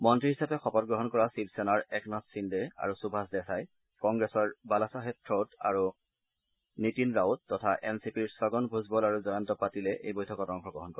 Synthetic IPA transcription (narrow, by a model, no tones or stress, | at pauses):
mɔntɹihisapɛxɔpɔt̚ɡɹɔɦɔnkɔɹasibsɛnaɹɛknɔssindɛa̰ɹusubʱasdɛxaj | kɔŋɡɹɛsɔɹbalasaxetɹɔta̰ɹu | nitinɹawtːɔtʰaʔɛnsipiɹsɔɡɔnbʱuzbɔlaɹuzɔjantɔpatilɛʔejbɔjtʰɔkɔtɔŋxɔɡɹɔɦɔnkɔɹɛ